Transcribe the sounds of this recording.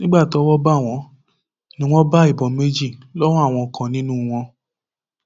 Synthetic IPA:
nĩ˦ɡ͡ba˦˨ti˨˦ɔ˧˦wɔ˦ba˦˨w̃ɔ̃˧˦ | nĩ˦w̃ɔ̃˦ba˦i˦˨bɔ˨˦me˦d͡ʒi˦˨lɔ˦w̃ɔ̃˦a˦˨w̃ɔ̃˧˨kʰã˨nĩ˦nũː˦w̃ɔ̃˧

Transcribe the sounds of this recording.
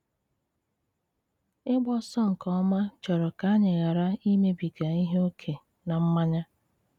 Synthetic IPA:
ɪ˦ɡ͡bɔ˦sɔ˦ŋ̩˨kɔ˦ma˦t͡ʃɔ˨ɾɔ˨ka˨˦ɲɪ˨ɣa˨ɾa˦i˦me˦bi˨ɡa˨i˦ɦe˦o˦kʰe˨ | na˨m̩˦ma˦ɲa˦

